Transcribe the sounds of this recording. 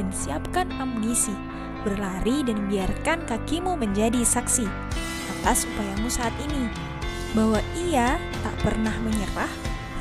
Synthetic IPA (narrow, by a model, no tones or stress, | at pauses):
ansiap̚kanamunisi | bərlaɾidanməbiarkankakimuməɲd͡ʒadisaksi | at̪asupajamusaːt̪ini | baɦwaia | t̪a̰ʔpərnahməɲəɾah